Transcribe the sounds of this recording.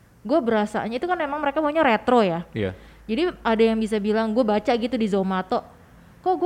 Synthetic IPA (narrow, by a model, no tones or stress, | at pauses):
ɡuabəɾasa̰ɲait̪ukanmemaŋməɾekabaɲaɾet̪ɾoja̰d͡ʒadiʔadajaŋbis̬abilaŋɡuabat͡ʃaɡit̪udizomat̪ɔʔ | kalɡu